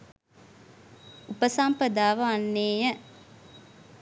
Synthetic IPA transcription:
upəsampəd̪aːʋɐanːeːjə

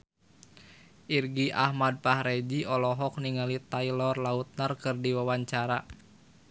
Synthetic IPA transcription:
ʔirɡiʔa̰hmad̚pahɾɛd͡ʒiɔlɔɦɔk̚niŋalit̪ailɔrlaut̪̚nərkɨrdiwawaɲt͡ʃaɾa

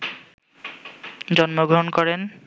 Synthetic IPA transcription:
d͡ʑɔnmoɡɾoɦnkɔɾen

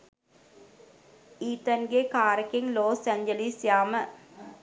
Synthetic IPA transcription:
iːt̪ənɡekaːɾəkeŋloːsæɲd͡ʒəlisjaːmə

